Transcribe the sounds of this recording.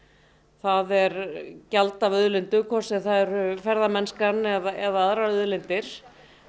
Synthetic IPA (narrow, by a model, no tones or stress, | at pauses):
θaðɛɾcalt̪avœðlɪnt̪ʏkʰvɔsɛðθaɛɾʏfɛɾðamɛnskanːɛðaɛðaaðɾaœðlɪnt̪ɪɾ̥